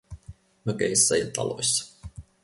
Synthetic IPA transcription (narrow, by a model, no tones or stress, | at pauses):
møkeisːæjɑt̪ɑ̰lo̞̰jsːɑ̥